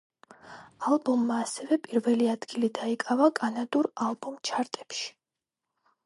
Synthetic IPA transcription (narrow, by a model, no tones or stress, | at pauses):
alˠbɔmːaːsɛvɛpʼiɾvɛliad̪ɡilid̪aikʼavakʼanad̪uɾalˠbɔmt͡ʃʰaɾt̪ʼɛpʃi̥